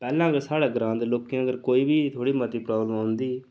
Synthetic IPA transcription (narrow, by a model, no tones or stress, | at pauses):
pɛːlãːəɡəɾsaːɽaːɡəɾãːd̪eloːkiãːəɡəɾkoːiːbiːt̪ʰoːɽiːmət̪iːpɾaːbləmãʊnd̪iː